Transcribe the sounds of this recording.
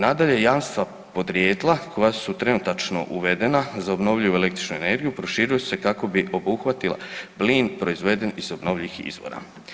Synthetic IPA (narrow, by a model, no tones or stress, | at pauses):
nad̪aʎe̞jaːʋnst̪ʋa | po̞d̪ɾjeːd̪lˠakʰo̞jasut̪ɾe̞nut̪at͡ʃno̞̰ʔuʋe̞d̪e̞nazaobno̞ʋʎijuele̞kt̪ɾi̥t͡ʃnuene̞ɾɡijupɾo̞ʃiɾujesu̥se̞kako̞biʔo̞buxʋat̪ila̰bliːnpɾo̞izʋe̞d̪e̞nizo̞bno̞ːʋlʎiixḭzʋo̞̰ɾa̰